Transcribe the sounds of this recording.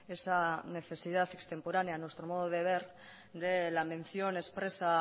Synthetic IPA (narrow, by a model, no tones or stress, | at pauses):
e̞sane̞θe̞sið̞aθe̞kst̪e̞mpoɾanjanwe̞st̪ɾo̞moð̞oð̞e̞β̞e̞ɾ | d̪e̞lamẽ̞n̟θjo̞ne̞spɾe̞sa